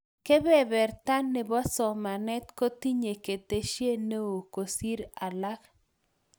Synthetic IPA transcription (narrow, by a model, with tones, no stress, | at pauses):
ke˦bɛ˦˨bɛ˨rt̪a˦nːe˨bɔ˦sɔ˨ma˨nɛ˦t̪ko˦t̪i˦ɲe˨ke˨t̪e˨ʃje˦ne˦o˨ko˨si˦ɾa˨la˦k